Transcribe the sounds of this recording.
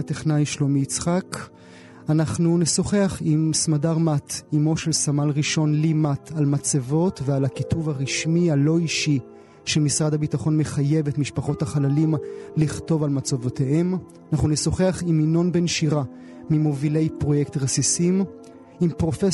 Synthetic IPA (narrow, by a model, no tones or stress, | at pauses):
ateχnajʃlomiit͡sχak | anaχnuneso̞χeaχimsmadaʁmatimo̞ʃe̞lsamalʁiʃo̞nlimatalmat͡savo̞tvealakituvaʁiʃmialo̞iʃi | ʃemisʁadabitaχo̞nme̞χaje̞vetmiʃpaχo̞thaχalalimliχto̞valmat͡sovotehe̞m | anaχnuneso̞χe̞aχimino̞nbe̞nʃiʁa | mimovile̞jpʁo̞jekt̪ʁesisim | impʁo̞fe